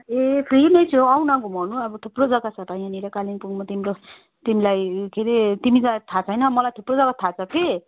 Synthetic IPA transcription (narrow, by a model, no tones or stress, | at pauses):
epʰrinʌjt͡sʰuawnakomʌnuʌbʌt̪ʰuprod͡zʌɡat͡sʰʌt̪ʌjãniɾakalinpuɡmʌt̪imiɾo | t̪imilajkʰeɾet̪imid͡zat̪ʰat͡sʰʌjnʌmʌlajt̪ʰuprod͡zʌaɡat̪ʰat͡sʰʌkʰe